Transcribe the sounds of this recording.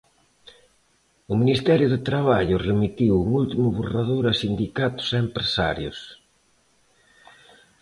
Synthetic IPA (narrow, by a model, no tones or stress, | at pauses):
ʊminist̪ɛɾjʊðet̪ɾaβaʎʊremit̪iwuŋult̪imʊβoraðoɾasind̪ikat̪ʊ̥seempɾesa̰ɾjʊs